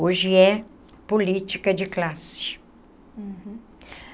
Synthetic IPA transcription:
oʒɪɛ | polit͡ʃikɐd͡ʒɪklasɪ̥ | h̩

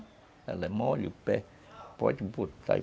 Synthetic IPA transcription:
æ̰lːemoːlʲupːe | po̰t̪ʲput̪ːɑ̰i

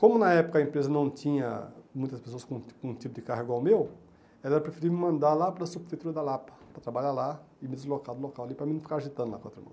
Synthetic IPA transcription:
kõmʊnɐɛpʊ̥kɐẽpɾezɐnɐ̃w̃t̪ĩɲɐ̰mũj̃t̪ɐspe̥soɐskõkõũt̪ipʊd̪ɪkaɦɐiɡwawmew | ɛlɛɾɐpɾefiɾivɐmɪmɐ̃nd̪alapɐɾɐsubɪfejt̪uɾɐd̪alapɐpɾɐt̪ɾabaʎala | ɪmɪd̪ɪzlokad̪ʊlokawɐlipɾɐmĩnũfikaɾaʒit̪ɐ̃d̪la̰kõt̪ɾɐmɐ̰̃

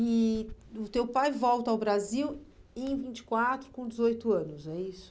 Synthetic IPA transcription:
ɪʊt̪ewpajvɔwt̪ɐawbɾaziwẽj̃vĩt͡ʃɪ̥kwat̪ɾʊkõd͡ʒɪzojt̪ʊɐ̃nʊzɛisʊ̥

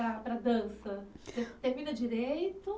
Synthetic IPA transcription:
ɐpɾɐd̪ɐ̃sɐt̪et̪ẽvid̪ɐd͡ʒiɾejt̪ʊ

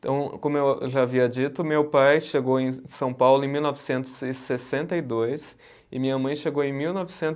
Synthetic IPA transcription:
t̪ɐ̰̃w̃kõmʊewʒaaviɐad͡ʒit̪ʊmewpajʃeɡowẽj̃sɐ̃w̃pawlʊẽmiwnɔvɪsẽnt̪ʊz̥ɪsesẽnt̪ɐid̪ojs | ɪmĩɲɐmɐ̃j̃ʃeɡowẽj̃miwnɔvɪsẽnt̪

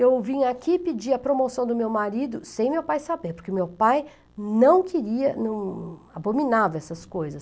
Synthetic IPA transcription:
ewvĩɲakipid͡ʒiɐpɾomosɐ̃w̃d̪ʊmewmaɾid̪ʊsẽj̃mewpajsabeɾpoɾkeʊmewpaj | nɐ̃w̃kʰeɾiɐnɐ̃w̃abominavɐɛsɐskojzɐs

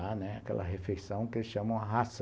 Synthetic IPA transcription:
anɛa̰kɛ̰lʔɐ̰ɦefejsɐ̃w̃kɪelɪsʃɐ̃mɐ̃w̃ɐɦas

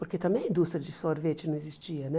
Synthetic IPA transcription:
poɾket̪ɐmɛ̃j̃ɐĩnd̪ust̪ɾʲɐd͡ʒisoɾvet͡ʃɪnɐ̃w̃ezist͡ʃiɐnɛ

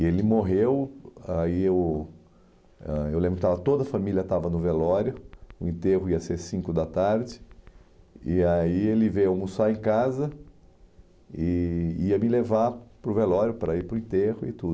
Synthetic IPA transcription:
elɪmoɦewaiew | ɛewlẽmbɾʊkɪt̪avɐt̪od̪ɐfamiljɐt̪avɐnʊvelɔɾjʊʊẽnt̪eɣʊiɐseɾsĩkʊd̪ɐt̪aɾd͡ʒɪ | ɪaielɪvejamusaẽkazɐ | ɪiɐmɪlevaɾpɾʊvelɔɾjʊpɾɐiɾpɾʊĩt̪ehʊɪt̪ud̪

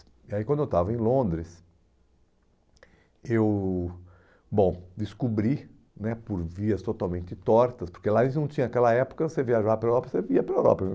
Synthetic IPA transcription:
iaikɐ̃d̪ʊewt̪avɐẽj̃lõnd̪ɾɪs | ew | bõw̃d̪ɪskubɾi | nɛpoɾviɐst̪ot̪awmẽnt͡ʃɪt̪ɔɾt̪ɐspoɾkelaẽnɐ̃w̃t͡ʃ̪ĩɲɐakɛlɐɛpʊ̥kɐseviaʒavɐpɾɐewɾɔpɐseviɐpɾɐewɾɔ̰pɐ

